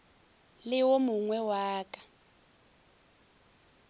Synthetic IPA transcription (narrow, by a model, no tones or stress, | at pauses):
lɪwomuŋwɛwaːkʼḁ